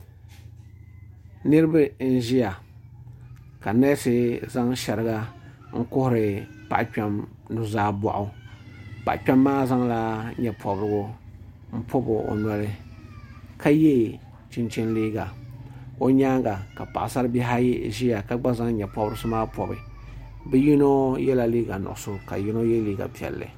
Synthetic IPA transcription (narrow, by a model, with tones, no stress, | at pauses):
nɨ˦ɾɨ˦ba˦n̩˦ʒi˦ja˨ | ka˨na˦sɪ˦za˦ŋʃɛ˨ɾɨ˨ɡa˦ŋ̩˦kʊ˦hʊ˦˨ɾɪ˨pa̰˨ʔk͡pa˦m | nʊ˨zaː˦ba̰˨ʔʊ˨ | pa˨k͡pᶣa˦mːaː˦za˦ŋla˦ɲɛ˨pʰɔ˨bɾɨ˦ɡʊ˦m̩˦pʰɔ˦bʊ˨o̰˨nɔ˨ɾɨ˦ | kʰa˦jɛ˦˨ | t͡ʃɪ˦nt͡ʃɪ˦nliː˦ɡa˨ | o˦ɲaː˦ŋɡa˨ka˨pa̰˨ʔa˨sa˦ɾɨ˦bi˦ɦa˦ʒi˦ja˨ka˦ɡ͡ba˦za˦ŋ˦ɲɛ˨pɔ˦bɾɨ˦sɨ˦maː˦pɔ˨bɨ̰˨ | bɛ˦ji˦no˦jɛ˦la˨liː˦ɡa˨nʊ̰˨ʔʊ˨so˦ka̰˨ji˦no˦jɛ˦liː˦ɡa̰˨pi˨ɛ̰˨lːɨ̰˨